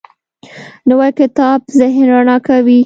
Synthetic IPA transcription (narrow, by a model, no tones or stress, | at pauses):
nəwajkɪt̪ɑbzɪɦnɾanɑkawi